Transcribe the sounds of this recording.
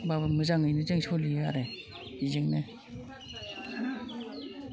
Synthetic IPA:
babɯmɯzaŋɯjnɯzeŋsolija̰ɾe | izeŋne

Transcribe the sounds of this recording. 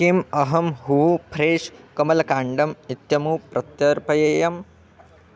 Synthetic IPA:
kimɐɦɐmɦuːpʰɾeːʃkɐmɐlɐkaːɳɖɐmit̪jɐmupɾɐt̪jɐɾpɐjɐjɐm

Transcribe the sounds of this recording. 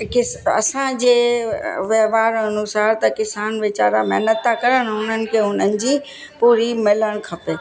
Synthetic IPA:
kɪsɐ̰sãd͡ʑeːʋjɐɦʋaːɾɐnʊsaːɾt̪ɐkɪsaːnʋɪt͡ɕa̰ːɾamɛɦnət̪ːakɐɾəɽ̃ɦʊn̤ənɪ̆kʰeːɦʊn̤ənɪ̆d͡ʑiː | puːɾimɪləɽ̃kʰɐpeː

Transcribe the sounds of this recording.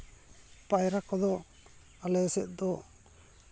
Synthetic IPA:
pajɾakɔd̪ɔ | alɛsɛʔ̪̚d̪ɔ

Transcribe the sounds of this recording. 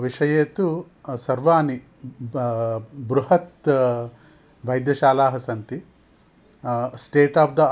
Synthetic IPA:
ʋiʂɐjeːt̪u | sɐɾʋaːni | bɾuɦɐt̪ | ʋɐjd̪jɐʃaːlaːɦɐsɐnt̪i | sʈeːʈaːpd̪ɐ

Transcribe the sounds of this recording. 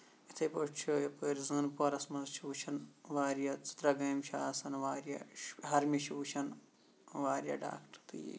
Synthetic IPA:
it̪ʰɐjpot͡ʃʰːjɐpɐːɾzɨːnpoɾɐsmɐzt͡ʃʰuːt͡ʃʰɐnʋaːɾjɐt͡si̥t̪ɾɐɡɐːmt͡ʃʰaːsɐnʋaːɾjɐ̰ɦɐɾmiʃʰuːt͡ʃʰɐn | ʋaːɾʲjɐ̰ɖa̰ːkʈɐt̪ɨjḭ

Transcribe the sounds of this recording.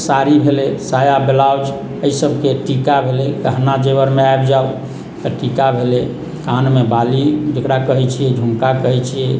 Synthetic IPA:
saɾibʱelesajabelawd͡ʒ | əisəbʱkeʈikabʱelɛkəɦnad͡ʒebəɾmeaebd͡ʒao | t̪əʈikabʱele | kanmebalid͡ʒekɾakəɦɛt͡ʃʰijɛd͡ʒʱũŋkakəɦɛt͡ʃʰijɛ

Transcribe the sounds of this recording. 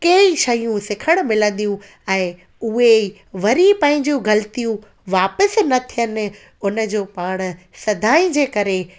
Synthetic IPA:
keiʃɐjũsɪkʰəɽ̃mɪlə̃n̆d̪ijũ | ɛ̃ː | ʊɦe | ʋɐɾipɐ̃ɦɪ̃ɲd͡ʑijũɡɐlɪt̪ijũ | ʋaːpəsnɐt̪ʰijənɪ̆ | ʊnə̆d͡ʑoːpaːɽ̃̆ | sɐd̪ʱaːĩd͡ʑeːkɐɾe

